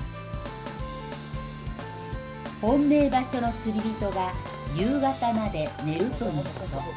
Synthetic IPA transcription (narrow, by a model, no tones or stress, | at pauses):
hõ̞mːe̞ːbaɕo̞no̞t͡sɨɾʲibʲit̪o̞ɡa | jɯːɡat̪amad̪e̞ne̞ɾɯ̟t̪o̞noɯkot̪o